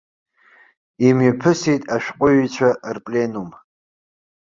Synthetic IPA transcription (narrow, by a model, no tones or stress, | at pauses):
imɥipʰɨsijtʼaʃᶣqʷʼʊɥit͡ʃʷʰarpʼlenum